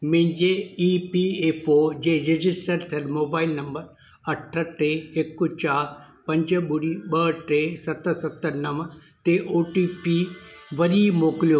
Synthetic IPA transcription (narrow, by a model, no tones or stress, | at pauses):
mɪ̃ɦɪ̃ɲd͡ʑeiːpieːpʰoːd͡ʑẽːɾed͡ʑɪsʈəɾt̪ʰɐlmoːbaːɪlnɐ̃mbəɾ | ɐʈʰəʈeːkːʊt͡ɕaːɾ | pɐ̃ɲd͡ʑəɓʊɽiɓɐʈesɐt̪əsɐt̪ənɐʋt̪eʔoːʈiːpiʋɐɾiːmoːkɪlijoː